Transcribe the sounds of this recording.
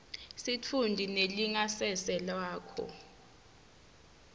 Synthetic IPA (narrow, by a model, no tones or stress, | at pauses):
sit͡fʰundʱineliŋasɛsɛlaːkʰɔ̰